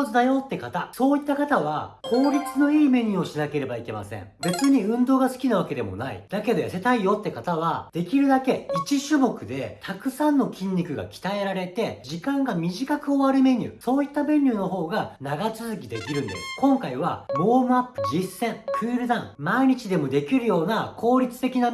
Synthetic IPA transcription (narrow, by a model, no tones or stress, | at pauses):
zɨd̪ajo̞t̪ːe̞kat̪aso̞ːit̪ːakat̪aβ̞a̰kʰo̞ːɾʲit͡sɨno̞iːme̞ɲ̟ɯːo̞ɕinake̞ɾe̞baike̞ma̰sḛ̃ŋbe̞t͡sɨɲ̟iɯ̟̃nd̪o̞ːɡasɨ̥kʲinaβ̞ake̞d̪e̞mo̞̰na̰ḭd̪̥ake̞d̪o̞ja̰set̪aijo̞t̪ːe̞kat̪aβ̞ad̪̥e̞kʲiɾɯ̟d̪ake̞it͡ɕiɕɨmo̞kɯ̟d̪e̞t̪ʰakɯ̟sãnːo̞kʲĩɲʲːikɯ̟ɡa̰kʲi̥t̪ae̞ɾaɾe̞t̪e̞d͡ʑikãŋɡamʲiʑikakɯ̟o̞βaɾɯme̞ɲ̟ʲɨ̰ːso̞ːit̪ːabẽ̞ɲːʲɯːno̞ɦo̞ːɡanaɡat͡sɨzɨkʲid̪e̞kʲiɾɯ̟̃nd̪e̞̰sɨ̥kõ̞ŋkaiβ̞a̰mo̞ːmɯ̟apːɯ̟d͡ʑisːẽ̞ŋkɯːɾɯ̟d̪ãŋmaiɲ̟it͡ɕid̪e̞mo̞d̪e̞kʲiɾɯ̟jo̞ːnakʰo̞ːɾʲit͡sɨ̥t̪e̞kʲina